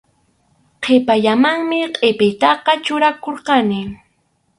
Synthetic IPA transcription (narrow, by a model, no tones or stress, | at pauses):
qʰepaʎamaŋmɪqʼepɪjt̪ɑqɑt͡ʃʊɾakoɾqɑnɪ